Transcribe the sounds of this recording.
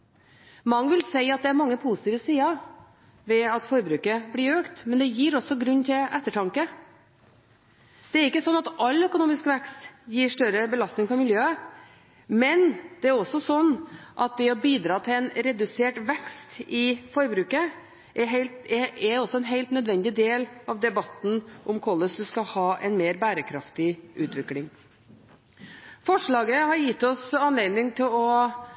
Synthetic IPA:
mɑŋːəʋɪlsæɪɑt̪̚d̪ɛæɾmɑŋːəpʰusɪ̥t̪iːʋəsiːɑ | ʋɛɑt̪fɔɾbɾʉːkəbliɾøːkt̪mɛnd̪ɛjiːɾɔsɔɡɾʉnːt̪ʰɪlʔɛt̪ːəʈʰɑŋkə | d̪̥ɛæɾɪkːəsɔnːɑt̪ɑlːœkʊnuːmɪskʋɛkst̪jiːʂʈœɾəbəlɑst̪nɪŋpɔmɪljøːə | mɛnd̪̥ɛæɾɔsɔsɔnːʔɑt̪̚d̪ɛɔbiːd̪ɾɑːt̪ʰɪlɛnɾɛd̪ʉseːʈʋɛkst̪ɪfɔɾbɾʉːkə | ʔɛɦɛɪlt̪ɛɛɾɔsɔɛnɦeɪlt̪nœd̪ʋɛnd̪ɪd̪eːlɑʋd̪ɛbɑt̪n̩ʔɔmkʰɔlːəsd̪ʉskɑhɑːʔɛnmeːɾbæːɾəkʰɾɑft̪ɪʉːt̪ʋɪklɪŋ | fɔʂɭɑːɡəhɑɾjɪt̪ːɔsɑnleːd̪nɪŋt̪ʰɪlɔ

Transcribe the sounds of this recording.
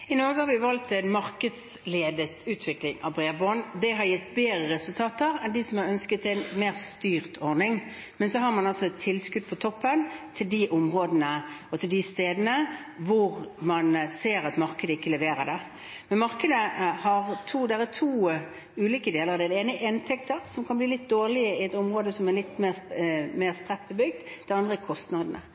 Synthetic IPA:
ɪnɔɾɡəhɑɾʋɪʋɑlt̪ɛnmɑɾkəd̪s | leːd̪ət̪ʉːt̪ʰʋɪklɪŋɑ̰bɾeːbɔnd̪ɛɦɑɾjɪt̪ːbeːɾəʁɛsʉlt̪ʰɑːt̪əɾɛnd̪ɪsɔmɑɾœnskət̪ɛnmeːʁst̪yːɾt̪ʰɔɾnɪŋ | mɛnsɔɦɑɾmɑnɑsɔɛt̪ʰːɪlskʉd̪̚pʰɔt̪ʰɔpːənt̪ʰɪld̪iʔʊmʁoːd̪ənəɔt̪ʰɪld̪ɪst̪eːd̪ənəʋʊʁmɑnseːɾɑt̪mɑɾkəd̪əɪkːələʋeːɾəd̪ɛ | mɛnmɑɾkəd̪əhɑʁt̪ʰuːd̪ɛʁɛt̪ʰuː | ʉːliːkəd̪eːləɾɑʋd̪ɛd̪ɛeːnəʔɪnt̪ʰɛkt̪əɾsɔmkʰɑnbliːlɪt̪̚d̪oːʁlɪəɪɛt̪ʊmʁoːd̪əsɔmɛlɪt̪ːmeːmeːʁspɾʁɛt̪̚bəbʏɡ̚d̪d̪̥ɛɑnd̪ʁəɪkʰɔst̪nɑːd̪ən̩ə̰

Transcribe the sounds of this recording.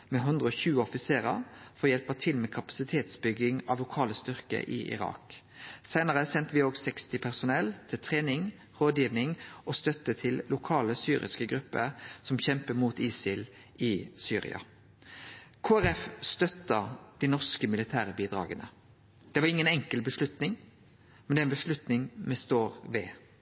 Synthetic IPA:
mɛɦʉnd̪ʁəɔːçʉːəɔfɪseːʁə̰fɔʁɔjɛlpət̪ʰɪlmɛːkʰɑpɑ̥sɪt̪ʰeːt̪sbʏɡːɪŋɑʋlʊkʰɑːləst̪ʏʁkə̰ʔɪ̰ʔɪ̰ʁɑ̰ːk | sæɪnəʁəsɛnt̪əʋɪoːɡsɛkst̪ɪpʰæʁsʊnɛlt̪ʰɪlt̪ʰʁeːnɪŋ | ʁoːd̪jiːʋnɪŋʔɔst̪œt̪ːət̪ʰɪlːʊkʰɑːləsyːʁɪ̰skəɡɾʉpːə̰ʁsɔmçɛmpəmuːt̪iːsɪl | ɪsyːʁɪ̰ɑ̰ | kʰoːæɾɛfst̪œt̪ːəd̪̥iɪnɔʁskəmɪlɪt̪ʰæːɾəbiːd̪ʁɑ̰ːɡənə | d̪̥ɛʋɑʁɪŋːənɛŋkəlbəʂlʉt̪nɪŋ | mɛnd̪ɛæɪnbəʂlʉt̪nɪŋmɛst̪oːʁʋe

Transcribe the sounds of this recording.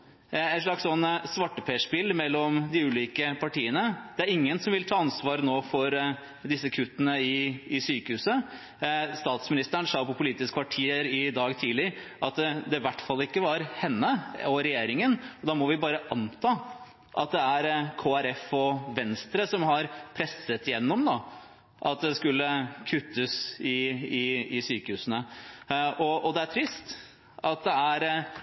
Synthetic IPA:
ɛʂlɭɑkssɔnːsʋɑʈːəpʰeːʂpɪlmɛlːɔmd̪ɪʉːliːkəpʰɑʈiːənəd̪̥ɛæɾɪŋːənsɔmʋɪlt̪ʰɑːɑnsʋɑːɾnoːfɔɾ | d̪ɪsːəkʰʉt̪ːənəɪɪsyːkəhʉːsə | st̪ɑːt̪smɪnɪst̪əɳsɑːpɔpʊliːt̪ɪskəʋɑʈʰiːəɾɪd̪ɑːɡt̪ʰiːlɪɾʔɑt̪d̪ɛʋæʈːfɑlːɪkːəʋɑɾhɛnːəɔɾɛjeːɾɪŋənɔd̪ɑːmɔʋɪbɑːɾəʔɑnt̪ʰɑː | ʔɑt̪̚d̪ɛæɾkʰoːæɾɛfɔʋɛnst̪ɾəsɔmhɑɾpʰɾɛsːət̪ɪjɛnːɔmd̪ɑ | ʔɑ̰t̪̚d̪ɛskʉlːəkʰʉt̪ːəsɪɪɪsyːkəhʉːsənə | ʔɔɔd̪ɛæʈʰɾɪst̪ | ɑt̪̚d̪ɛæɾ

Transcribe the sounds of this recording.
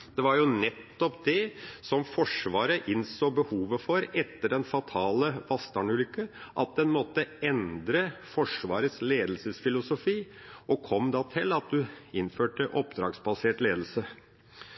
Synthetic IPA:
d̪̥ɛʋɑɾjʊnɛt̪ːɔpd̪ɛsɔmfɔʂʋɑːɾəʔɪnsoːbəhuːʋəfɔɾɛt̪ːəɖɛnfɑt̪ʰɑːləʋɑst̪ɑɳʉːlʏkːəʔɑ̰t̪̚d̪ɛnmɔt̪ːəɛnd̪ɾəfɔʂʋɑːɾəsleːd̪lsəsfɪlʊsʊfiː | ɔkʰɔmːd̪ɑt̪ʰɪlɑt̪̚d̪ʉɪnføːʈəʔɔpd̪ɾɑːɡsbɑseːʈleːd̪l̩sə

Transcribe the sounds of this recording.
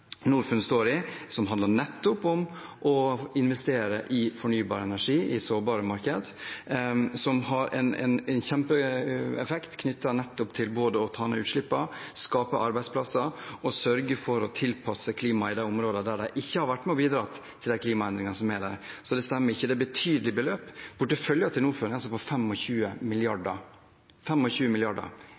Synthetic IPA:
nuːɾfʉnst̪oːɾɪsɔmɦɑnd̪ɑnɛt̪ːʊpɔmʔɔɪnʋɛst̪eːɾəʔɪfɔɳyːbɑːɾəɛnæʂiːʔɪsoːbɑːɾəmɑɾkəd̪ | sɔmhɑɾʔɛ̰nɛ̰nɛnçɛmpəɛfɛkt̪kʰnʏt̪ːɑnɛt̪ːʊpt̪ʰɪlboːd̪əɔt̪ʰɑːɛnɛ̰ʉːt̪ʃɭɪpːɑskɑːpəʔɑɾbæɪspʰlɑsɑɾɔsœɾɡəfɔɾɔt̪ʰɪlpʰɑsəkʰliːmɑɪd̪æɪʊmɾoːd̪əd̪æɖæɪʔɪçːəhɑɾʋæʈːmɛɔbiːd̪ɾɑ̰t̪ | t̪ʰɪld̪æɪkʰliːmɑɛnd̪ɾɪŋɑnsɔmɛɖæ̰ɾsɔd̪ɛst̪æmːəɾɪçːəd̪ɛbət̪ʰyːd̪əlɪbəløːpb̥ʊʈːəfœljɑt̪ʰɪlnuːɾføːɾɪnŋɑlsɔfɔfɛmːɔçʉːəmɪlɪɑɖə | fɛmːɔçʉːəmɪlɪɑɖə̰ɾ

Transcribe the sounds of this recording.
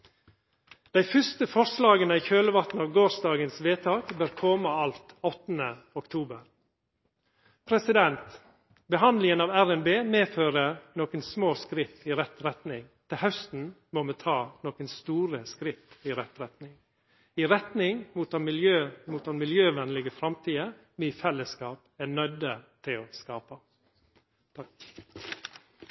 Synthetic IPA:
d̪̥æɪfʏst̪əfɔɾslɑːɡənəiːçøːləʋɑt̪n̩ɑːʋɡoːsd̪ɑːɡənsʋeːt̪ʰɑːkbøːɾkʰɔːməɑlt̪ɔt̪n̩ə | ɔkt̪ʰuːbəɾ | pʰɾɛsɪd̪ɛnt̪ | bəɦɑnd̪lɪŋənɑːʋæɾɛnbeːmeːføːɾənoːkənsmoːskɾɪft̪iɾɛt̪ɾɛt̪nɪŋt̪ʰɪlhœst̪n̩ | momɛt̪ʰɑːnoːkənst̪uːɾəskɾɪft̪iɾɛt̪ɾɛt̪nɪŋ | iɾɛt̪nɪŋmuːt̪ɑnmɪljøːmuːt̪ɑnmɪljøːʋɛnlɪɡəfɾɑmt̪ʰiːəmɛɪːfɛlːəskɑːpæɳœd̪ət̪ʰɪloːskɑːpə

